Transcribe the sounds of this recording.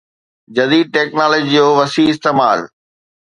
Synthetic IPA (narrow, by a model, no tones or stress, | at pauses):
d͡ʑɐd̪iːd̪̚ʈeːknaːləd͡ʑid͡ʑoːʋɐsiɪst̪eːmaːl